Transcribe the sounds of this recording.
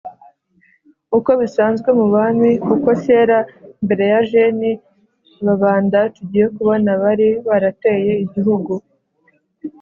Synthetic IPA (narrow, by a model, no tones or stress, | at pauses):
uko̞βisaːnzɡwe̞muβamikuko̞se̞ːɾambe̞ɾe̞jaʒeni | βaβaːndatuɟije̞kuβo̞naβaɾiβaɾate̞je̞iɟiɦuɡu